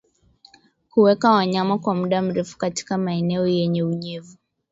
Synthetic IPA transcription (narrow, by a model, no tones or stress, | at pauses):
kuwɛkawaɲamakwamuɗam̩ɾɛfu̥kati̥kamaɛnɛɔjɛɲɛuɲɛvu